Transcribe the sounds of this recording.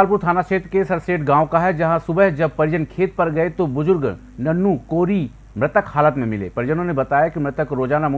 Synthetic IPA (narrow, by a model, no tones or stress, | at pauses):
alpuɾt̪ʰaːnaʃeːt̪ɾkesɐɾseːʈɡãːõkaɦɛd͡ʒɐɦãsʊbəɦd͡ʒɐb̚pɐɾɪd͡ʒənkʰeːt̪̚pɐɾɡɐet̪obʊzʊɾɡ | nɐnːukoːɾi | mɾɪt̪əkhaːlət̪mẽmɪlḛːpɐɾɪd͡ʒənõnebɐt̪aːjakimɾɪt̪əkɾoːd͡ʒaːnamʊ